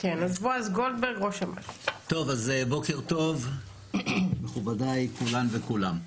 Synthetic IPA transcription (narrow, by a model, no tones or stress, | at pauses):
kenazvoazɡold̪̚beʁɡʁoʃama̰tt̪o̞vazebo̞keʁt̪o̞v | meχubad̪aikulanvekulam